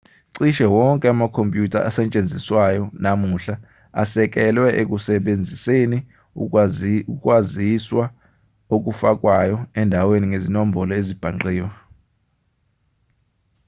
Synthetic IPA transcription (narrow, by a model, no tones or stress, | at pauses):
ǀiʃɛwɔŋkʼɛamakʰompʼjutʰaʔasɛnt͡ʃʼend͡zʱiswajɔnamuɬa | a̰sɛk̬ʼɛlwɛʔek̬ʼusɛɓend͡zʱiseni | uk̬ʼwaziswa | ok̬ʼufak̬ʼwajɔɛndʱaweniŋezinom̩bʱɔlɔezib̥ʱaŋ͡ǃiːjɔ